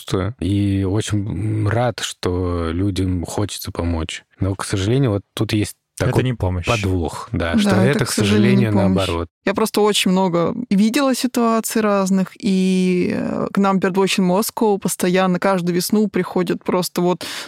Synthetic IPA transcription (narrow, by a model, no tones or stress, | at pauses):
t̪əio̞t͡ɕɪnʲrat̪ʂt̪olʲudʲəmxo̞t͡ɕɪ̥t̪səpɐmo̞t͡ɕ | no̞ksəʐɨlʲenʲɪjʊvot̪ːut̪jesʲt̚ʲt̪ɐɛkjnʲɪpoməɕpɐd̪vuxd̪aʂtd̪ɛt̪əksəʐlʲenʲɪjʊəɐbɐɾo̞̰t̪japɾo̞st̪əo̞t͡ɕɪnʲmno̞ɡəvʲidʲɪlˠəsʲɪt̪ʊat̪sɨjɾaznɨxi | knampʲɪɾʲɪd̪ot͡ɕɪnʲmoskopəst̪ɐjanːəkaʐd̪ʊjʊvʲɪsnupɾʲɪxo̞dʲɪt̪̚pɾo̞st̪əvo̞t̪